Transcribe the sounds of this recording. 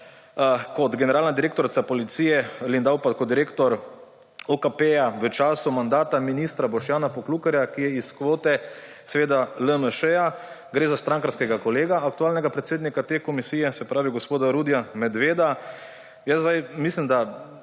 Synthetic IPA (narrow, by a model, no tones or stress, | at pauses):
kɔt̪ɡɛnɛɾaːlnad̪iɾeːk̚t̪ɔɾt̪sapɔlit̪siːjɛlind̪awpat̪kɔt̪ːiɾeːkt̪ɔɾ | ɔkapejaʋət͡ʃaːsumand̪aːt̪aminist̪ɾabɔʃjaːnapɔklukɛɾjakijɛiskʋoːt̪ɛ | sɛʋeːd̪aləməʃɛja | ɡɾeːzast̪ɾaŋkanskɛɡakɔleːɡaːk̚t̪uaːlnɛɡapɾɛt̪seːd̪nikat̪eːkɔmisiːjɛsɛpɾaːʋiɡospoːd̪aɾud̪jamɛd̪ʋeːd̪a | jəzzd̪ajmislimd̪a